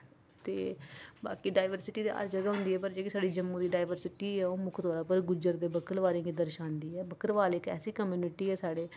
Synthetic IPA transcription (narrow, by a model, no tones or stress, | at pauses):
t̪ḛːba̰ːkiːɖaːɪʋəɾsɪʈiːd̪ḛːa̰ːɾd͡ʒəɡaːɦʊ̃nd̪iːɛːpəɾd͡ʒeːkɪsaːɖiːd͡ʒəmːuːd̪iːɖaːɪʋəɾsɪʈiːɛːoːmʊkʰt̪oːɾaːpəɾɡʊd͡ʒəɾd̪eːbəkəlʋaːɾẽːɡiːd̪əɾʃãːnd̪iːɛːbəkəɾʋaːleːkɛ̰ːsiːkəmjuːnɪʈiːɛːsaːɽeː